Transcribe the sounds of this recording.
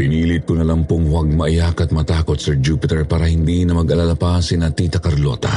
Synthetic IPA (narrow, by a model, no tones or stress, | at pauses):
pɪniːlɪt̪̚konɐlɐmpoŋhwɐɡ̚mɐʔajakɐt̪̚mɐt̪aːkot̪sɛd͡ʒuːpɪt̪ɛɹpaːɾɐhɪnd̪inɐmɐɡɐlalɐpasɪnɐt̪iːt̪ɐkɐɾlo̰t̪ɐ̰